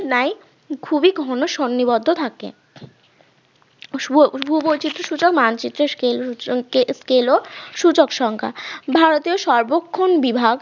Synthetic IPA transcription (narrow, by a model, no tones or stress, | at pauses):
naj | kʰubiɡʱɔnoʃonːibɔd̪ʱːot̪ʰakḛ | bʱubojt͡ɕit̪ːɾoʃut͡ɕokmant͡ɕit̪ːɾeeleskeloʃut͡ɕokʃɔŋkʰa̰bʱaɾot̪ioʃɔɾbokʰːonbibʱaɡ